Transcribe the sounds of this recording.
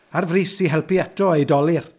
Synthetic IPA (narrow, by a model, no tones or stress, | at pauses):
arvriːsiɦɛlˠpiɛtʰɔejdɔlˠɪr